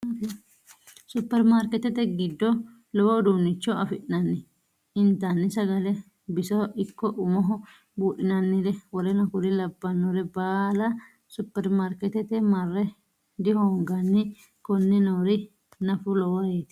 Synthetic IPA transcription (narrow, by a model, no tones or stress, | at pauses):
sʊpːɛɾmaɾkɛt̪ɛt̪ɛɡɪd̪ːɔ | lɔwɐd̪unːɪt͡ʃːɔɐfɪʔɪnɐnːɪ | ɪnt̪ːɐnːɪsɐɡɐlɛ | bɪsɐʔɪkːɔʔʊmɔɦɔ | buːʔɪnɐnːɪd̪ɛwɔɾɛnɐkʊlɪlɐbːɐnːɔɾɛbaːlɐ | sʊpːɛɾmaːɾkɛt̪ɛt̪ɛmɐrːɛ | d̪ɪhɔŋɡɐnːɪ | kɔnːɛnɐwɾɪ | nɐfʊlɔwɐjeːt̪